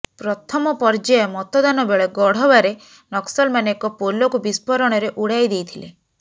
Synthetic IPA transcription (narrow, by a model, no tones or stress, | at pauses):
pɾɔt̪ʰɔmɔpɔɾd͡ʒajɔmɔt̪ɔd̪anɔbeɭɔɡɔɽ̤ɔbaɾe | nɔksɔlmaneekɔpolɔkubispɔɾɔɽ̃ɔɾeʔuɽajd̪ejt̪ʰilḛ